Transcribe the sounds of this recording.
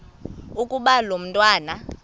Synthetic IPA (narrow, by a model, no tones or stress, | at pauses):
ukʼuɓalom̩ntʼwaːna